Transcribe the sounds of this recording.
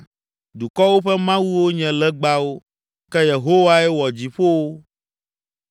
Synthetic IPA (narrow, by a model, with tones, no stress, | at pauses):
du˨kɔ˦wo˦ɸɛ˦mã˦wu˦wo˦ɲɛ̃˨lɛ˦ɡ͡ba˦wo˦ | kɛ˦je˨ɦo˦wa˦ɛ˦wɔ˨d͡ʑi˨ɸo˦wo˦